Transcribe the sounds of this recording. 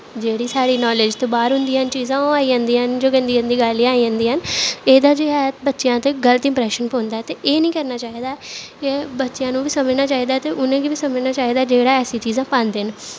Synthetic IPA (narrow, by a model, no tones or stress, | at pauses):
d͡ʒeːɽiːsaːɽiːnɔːlɪd͡ʒt̪oːbaːɾɦʊnd̪iːənt͡ʃiːzãːoaːiːə̃nd̪iːɦənd͡ʒoːkə̃nd̪iːɦənd̪iːɡalːĩaːiːɦə̃nd̪iːɦəneːd̪aːd͡ʒeːɛːbətːʃijãːt̪eːɡələt̪ɪ̃mpɾɛːʃənpõːnd̪aːɛt̪eːʔeːnĩːkəɾnaːt͡ʃaːiːd̪aːɛkebətːʃɪjãːnũːʋiːsəməd͡ʒnaːt͡ʃaːiːd̪aːt̪eːʔʊnẽːɡiːbiːsəməd͡ʒnaːt͡ʃaːiːd̪aːd͡ʒeːɽaːɛːsĩːt͡ʃiːzãːpãːnd̪n